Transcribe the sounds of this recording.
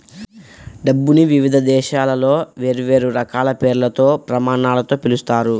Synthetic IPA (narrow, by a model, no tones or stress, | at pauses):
ɖɐbːuniʋiʋid̪ʱɐd̪ɛːʃaːlɐlo̞ːʋe̞ːɾuʋe̞ːɾuɾɐkaːlɐpeːɾulɐt̪o̞ːpɾɐmaːɳaːlɐt̪o̞ːpilust̪aːɾu